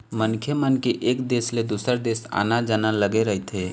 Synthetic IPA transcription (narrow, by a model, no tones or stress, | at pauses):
mənkʰjəmənkeʔːkd̪eːsled̪usəɾd̪eːsa̰ːnad͡ʒanaləɡeɾəɦit̪ɦe